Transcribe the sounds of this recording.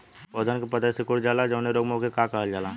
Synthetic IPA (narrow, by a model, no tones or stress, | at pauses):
pɔːd̪ənkepɐt̪asɪkʊɽd͡ʒaːlad͡ʒəneɾoːɡmokekakaɦəld͡ʒaːla